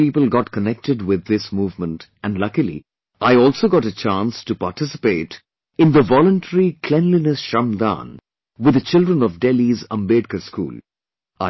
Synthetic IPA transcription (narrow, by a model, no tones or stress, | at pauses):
iːpəlˠɡɑʈkənɛk̚tɨɖwɪd̪ːɪsmuːvmə̃ntæ̃nɖlʌkilḭ | ʔaɪɔlsoɡɑɾət͡ʃãːnstupaɾʈɪsɪ̥peːt | ɪ̃nd̪əvɔlə̃nʈʰəɾikʰl̥ɛ̃nlinəsʃãmd̪ã̰n | wɨd̪ət͡ʃɪldɾə̃nɔvɖɛlizə̰̃mbeɖ̚kəskṵːl | ʔa